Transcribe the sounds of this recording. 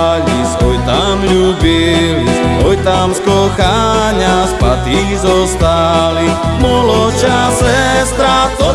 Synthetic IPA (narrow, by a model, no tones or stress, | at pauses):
ʎisɔjt̪amʎubilisɔjt̪amskɔxaɲaspat̪i | zɔst̪ali | mɔlɔt͡ʃasɛst̪ɾat̪ɔ